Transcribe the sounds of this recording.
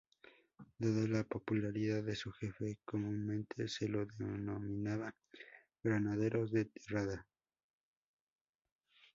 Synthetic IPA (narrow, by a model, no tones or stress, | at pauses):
d̪oðalapo̞pulaɾiðaðːesuxe̞fe̞komunmẽnt̪ʰeselo̞ðenomĩnaβa | ɡɾanaðe̞ɾo̞zðe̞t̪eraða